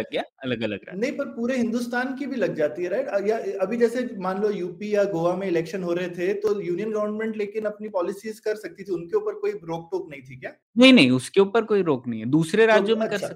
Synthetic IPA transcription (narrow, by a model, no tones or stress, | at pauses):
ɐɡːjaːɐləɡɐlə̰ɡɾɐ̰nɐɦĩpɐɾpuːɾeɦɪ̃nd̪ust̪aːnkibʱilɐɡd͡ʒaːt̪iɦɛɾɛːʈɐjaɐbʱid͡ʒɛːsemaːnlojuːpijaɡoːʋamẽɪlɛːkʃənɦoːɾɐɦet̪ʰet̪ojuːnijənɡoːɳɖmɛ̃ɳʈleːkɪnɐpnipɔːlɪsiːzkɐɾsɐk̚t̪it̪ʰiʊnkeupəɾkoːibɾoːk̚ʈoːknɐɦĩt̪ʰikjaː | nɐɦĩnɐɦĩʊskeuːpəɾkoːiɾoːknɐɦĩɛd̪uːsɾeɾaːd͡ʒjõmeɐ̃kɐɾʃʰaɐk̚